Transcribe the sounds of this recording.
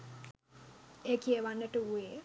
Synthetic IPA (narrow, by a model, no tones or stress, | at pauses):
ekiəʋanːəʈəue